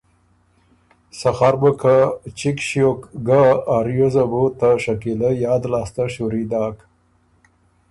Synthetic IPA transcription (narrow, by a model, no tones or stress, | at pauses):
saxaɾbəkʰat͡ʃikʃjokɡaːɾjozabot̪aʂakiləjɑːd̪lɑːst̪aʃuɾid̪ɑːk